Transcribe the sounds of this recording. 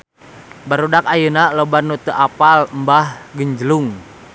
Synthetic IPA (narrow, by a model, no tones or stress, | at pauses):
baɾudakajənalobarnut̪əʔapalmbahɡəɲd͡ʒəluŋ